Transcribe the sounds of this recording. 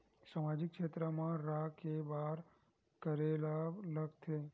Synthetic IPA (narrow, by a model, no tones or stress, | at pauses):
samad͡ʒik̚ːʃet̪ɾəmãɾakebaɾ | kəɾelaləɡt̪ʰe